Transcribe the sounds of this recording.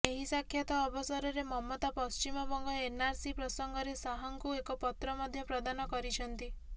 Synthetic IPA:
eɦisakʰːjat̪ɔːbɔsɔɾɔɾemɔmːɔt̪apɔst͡ʃimɔbɔŋɡɔenaɾsipɾɔsɔŋɡɔɾesaɦɔŋkuekɔpɔt̪ɾɔmɔd̪ʱjɔpɾɔd̪anɔkɔɾit͡ʃʰɔnt̪i

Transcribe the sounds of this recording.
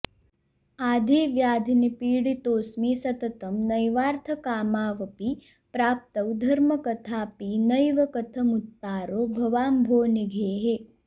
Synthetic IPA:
aːd̪ʱiːʋjaːd̪ʱinipiːɽit̪oːsmiːsɐt̪ɐt̪ɐmnɐjʋaːɾt̪ʰɐkaːmaːʋɐpi | pɾaːp̚t̪ɐwd̪ʱɐɾmɐkɐt̪ʰaːpiːnɐjʋɐkɐt̪ʰɐmut̪ːaːɾoːbʱɐʋaːmbʱoːniɡʱeːɦe

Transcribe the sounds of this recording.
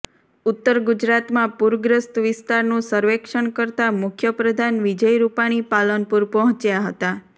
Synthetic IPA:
ʊt̪ːəɾɡud͡ʒɾat̪mãpuɾɡɾəst̪ʋɪst̪aɾnũsəɾʋekʃəɳkəɾt̪amʊkʰjəpɾəd̪ʱanʋid͡ʒəjɾupaɽ̃ipalənpuɾpɔɦɔ̃t͡ʃjaɦət̪a

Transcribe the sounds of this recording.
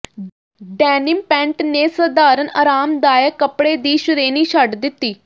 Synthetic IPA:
ɖɛːnɪmpɛ̃ːɳʈneːsəd̪aːɾənaːɾaːmd̪aːjəkəpɽeːd̪iːʃʊɾeːniːʃəɖd̪ɪt̪ːiː

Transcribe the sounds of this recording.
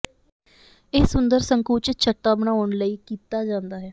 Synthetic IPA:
ɪːsʊnd̪əɾsəŋkuːt͡ʃt͡ʃʰəʈːaːbənaːoɳləiːkiːt̪aːd͡ʒãːnd̪aːɦɛː

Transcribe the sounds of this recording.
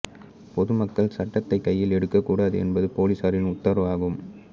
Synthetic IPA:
pɔðɯmɐkːɐɭsɐʈːɐt̪ːɐɪkːɐjːɪlɛɽɯkːɐkːuːɽaːðɯɛ̰nbɐðɯpoːlisaɾɪnʊt̪ːɐɾɐʋaːɣɯm

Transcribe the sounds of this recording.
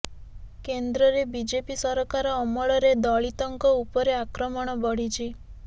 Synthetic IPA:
kend̪ɾɔɾebid͡ʒepisɔɾɔkaɾɔːmɔɭɔɾed̪ɔɭit̪ɔŋkɔupɔɾeakɾɔmɔɽ̃ɔbɔɽ̤it͡ʃʰi

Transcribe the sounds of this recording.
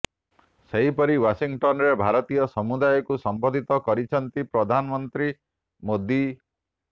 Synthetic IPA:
seɦipɔɾiwasiŋɡʈɔnɔɾebʱaɾɔt̪ijɔsɔmud̪ajɔkusɔmbɔd̪ʱit̪ɔkɔɾit͡ʃʰɔnt̪ipɾɔd̪ʱanɔmɔnt̪ɾi | mod̪i

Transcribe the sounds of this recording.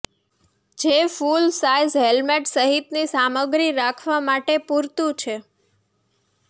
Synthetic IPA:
d͡ʒefulsajzɦelmeʈsəɦit̪nisaməɡɾiɾakʰʋamaʈepuɾt̪ũt͡ʃʰe

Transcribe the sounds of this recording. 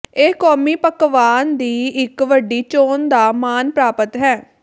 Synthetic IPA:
eːkɔːmiːpəkʋaːnd̪iːɪkʋəɖiːt͡ʃoːnd̪aːmaːnpɾaːpət̪ɦɛː

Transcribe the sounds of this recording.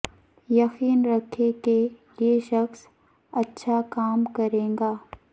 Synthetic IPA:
jɐxiːnɾɐkʰːekejeʃɐxs | ɐtːʃʰakaːmkɐɾẽːŋɡaː

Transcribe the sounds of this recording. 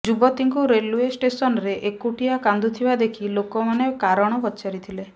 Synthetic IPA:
d͡ʒubɔt̪iŋkuɾeluesʈesɔnɔɾeʔekuʈijakand̪ʱut̪ʰibad̪ekʰilokɔmanekaɾɔɽ̃ɔpɔtːt͡ʃaɾit̪ʰile

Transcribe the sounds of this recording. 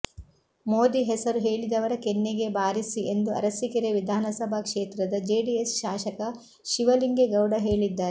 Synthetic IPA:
moːd̪iɦɛsɐɾuɦeːɭid̪ɐʋɐɾɐkenːeɡe̞baːɾisiʔend̪uɐ̰ɾɐsikiɾeʋid̪ʱaːnɐsɐbʱɐkʂeːt̪ɾɐd̪ɐd͡ʒeːɖiesʃaːʃɐkɐ | ʃiʋɐliŋɡeɡɐwɽɐɦe̞ːɭid̪ːaːɾe

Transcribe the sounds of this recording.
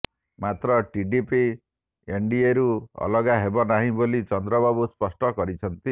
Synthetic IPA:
mat̪ɾɔʈiɖipi | eɳɖieɾuɔ̰lɔɡaɦebɔnaɦĩbolit͡ʃɔnd̪ɾɔbabuspɔsʈɔkɔɾit͡ʃʰʌnt̪i

